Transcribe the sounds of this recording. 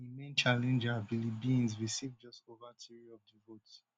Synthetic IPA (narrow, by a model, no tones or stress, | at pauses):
imẽnt͡ʃalɛ̃nd͡ʒabilibiĩnzɹisivd͡ʒɔstovatʰiɹiɔvdivot